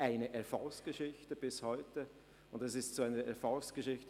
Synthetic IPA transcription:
ʔaɪnəʔɛɐfɔlsɡ̥əʃɪçtəb̥ɪshɔʏtə | ʊndɛsɪstt͡suaɪnəʔɛɐfɑlsɡ̥əʃɪçtə

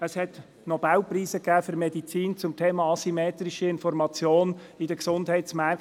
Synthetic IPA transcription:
əshɛt | nɔb̥awpriːsəkæːfʏɾmedit͡siːnt͡sʊmtʰeːmɑːɑsimeːt̪ɾiʃiɪnfɔrmɑt͡sjoːn | idəksʊndhɛɪtt͡smæ

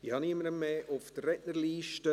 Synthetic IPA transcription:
ihɑniəməɾəmːeːʔʊfd̥̪ərɛtnəɾliːʃtə

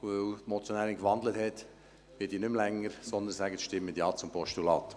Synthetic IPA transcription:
vœøwtmɔt͡sjɔnæːɾɪnkʋɑndləthɛt | ʋɪdiːnʏmlɛŋːəɾsɔnd̪ənsæɡətʃtɪmːədjɑːt͡sʊmpʰɔʃtulɑ̰ːt̪

